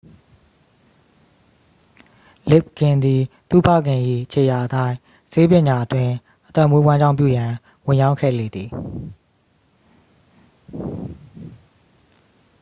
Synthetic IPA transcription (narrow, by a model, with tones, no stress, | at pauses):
lɪ˦˨p̚kɪ̃˨nd̪i˨t̪ṵ˦˨pʰä̰˦˨ɡɪ̃˨ʔḭ˦˨ʔət͡ɕʰe˨ja˨ʔətã˦ɪ̃ | se˦pjɪ̃˨ɲa˨ʔətwɪ̃˦ | ʔət̪ɛ˦˨mwe˦wã˦ɲd͡ʑã˦˨mpjṵ˦˨jã˨ | wɪ̃˨jã˦ʊ̃kʰɛ̰˦˨lḛ˦˨d̪i˨